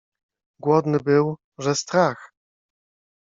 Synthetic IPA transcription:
ɡwɔd̪nɘbɘw | ʐɛst̪ɾax

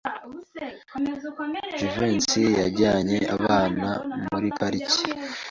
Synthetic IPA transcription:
d͡ʒuvensijaɟaːɲe̞ʔaβaːnamuɾipaɾici̥

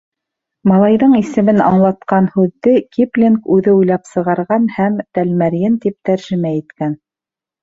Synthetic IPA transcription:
mɑlˠɑjðɤɴisɘ̆mɘnɑ̰ɴlˠɑt̪̚qɑnhʉðːɘkiplʲenkʉðɘujlˠɑpsɤ̆ʁɑɾʁɑnhæmt̪ælmæɾjɘnt̪ip̚t̪æɾʒɘ̆mæit̪kæn

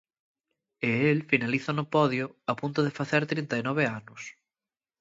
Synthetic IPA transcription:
ɪelfinaliθonʊpɔðjʊapunt̪ʊðefaθeɾt̪ɾint̪ainɔβ̞eanʊs

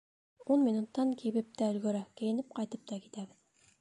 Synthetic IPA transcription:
unmʲinut̪ːɑŋkʰiβɘp̚t̪æɵ̆lɡɵ̆ɾækɘ̆jɘ̆nɘp̚qɑjt̪ɤp̚t̪ɑki̥t̪æβɘð

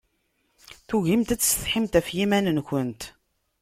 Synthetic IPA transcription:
θuʝimt̪æt͡sːsθħimt̪æfjimænənçʷənt̪

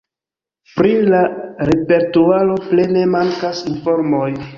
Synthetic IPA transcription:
pɾilaɾe̞pe̞ɾtualo̞ple̞ne̞maŋkasinfo̞ɾmoj

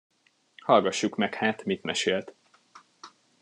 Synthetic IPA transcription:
hɒlɡɒʃːukmɛkhaːt̪mit̪mɛʃeːlt̪

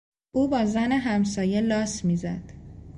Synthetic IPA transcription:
ʔuːbɒːzæne̞ɦæmsɒːje̞lɒːsmiːzæd̪̥

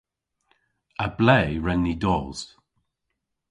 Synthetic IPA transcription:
əblɛːɹɛnːidɔːz

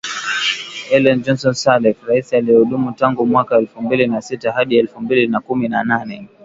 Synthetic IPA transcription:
ɛlɛnd͡ʒɔnsɔnsalɛfɾaisialijɛhuɗumutaŋɡumwakaɛlfumbilinasitaɦaɗiɛlfumbilinakuminananɛ

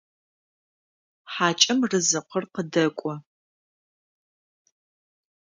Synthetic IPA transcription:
ħaːt͡ʃʼɐmrɨzɨqʰʷərqədɐkʷʼɔ

